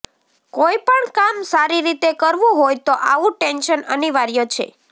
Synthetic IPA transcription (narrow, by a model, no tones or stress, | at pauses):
koipəɳkamsaɾiɾit̪ekəɾʋũɦojt̪oʔaʋũʈɛnʃənəniʋaɾjot͡ʃʰḛ